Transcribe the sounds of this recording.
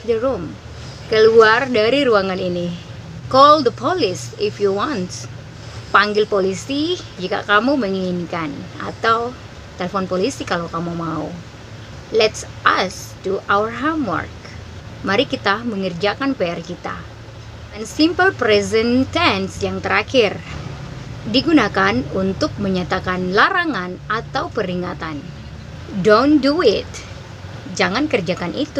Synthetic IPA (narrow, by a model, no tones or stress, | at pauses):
d̪əɾum | kəluardaɾiɾuaŋanini | kɔld̪əpʰɔlɪsɪfjuwɔnt | paŋɡɪlpolisid͡ʒika̰kamuməŋiinkana̰t̪aw | t̪elefɔnpolisikalawkamumaṵ | lɛtsʔastuʔawərɦamwɔ̰rk̚ | maɾikit̪aməŋərd͡ʒakanpeɛrkit̪a̰ | ənsimpəlpɾɛzɛnt̪ɛnsjaŋt̪əɾakɪr | diɡunakanunt̪ʊk̚məɲat̪akanlaɾaŋanat̪awpəɾiŋat̪an | donduɪt̪ | d͡ʒaŋankərd͡ʒakanʔit̪u